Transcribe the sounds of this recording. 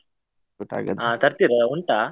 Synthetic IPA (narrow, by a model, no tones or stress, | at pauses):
ɔʈːa̰ɡɐ̰d̪aːt̪ɐɾt̪iɾɐuɳʈaː